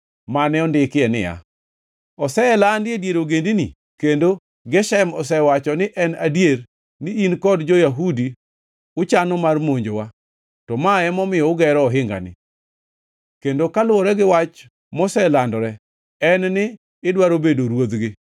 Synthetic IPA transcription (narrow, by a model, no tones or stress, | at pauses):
manɛɔndɪkɪɛnɪ̰ja̰ | ɔsɛlandɪedjeɾoɡendinḭ | kendo | ɡɛʃaɛmɔsɛwat͡ʃɔnɪʔɛnadjeɾ | nɪinkɔdd͡ʒojaɦudi | ʊt͡ʃanɔmarmoɲd͡ʒowa | tɔmaɛmɔmɪjɔʊɡɛɾɔːɦɪŋɡa̰nɪ̰ | kendokalʊwɔɾɛɡɪwat͡ʃ | mɔsɛlandɔɾɛ | ɛnnɪː | dwaɾobedoɾwod̪ɡɪ